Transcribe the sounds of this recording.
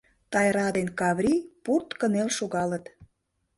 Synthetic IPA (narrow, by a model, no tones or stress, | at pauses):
t̪ɑjɾɑd̪enkɑβɾʲipurt̪kənelʃoɣɑlət̪